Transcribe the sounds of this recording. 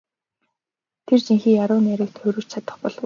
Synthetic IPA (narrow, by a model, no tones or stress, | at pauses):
t̪ʰert͡ɕiŋxiːjaɾʊːnæɾɘ̆kt̪xɵɾɵ̆t͡ɕt͡ɕʰat̪ə̆χpɔɮ